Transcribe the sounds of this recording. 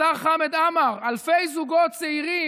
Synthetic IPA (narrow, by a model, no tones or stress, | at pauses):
aχamed̪amaʁalfejzuɡot̪t͡seiʁi